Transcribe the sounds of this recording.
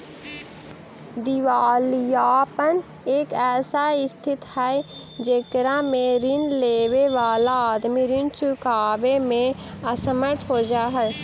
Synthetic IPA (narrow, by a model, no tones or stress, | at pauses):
d̪ɪʋaːlijaːpən | eːkɛːsaɪst̪ʰɪt̪hɛe | d͡ʒeːkɾãmẽɾɪnleːʋeʋaːlaːd̪miɾɪnt͡ʃʊkaːʋemẽ | ɐsəməɾt̪ʰɦoːd͡ʒaːɦɛj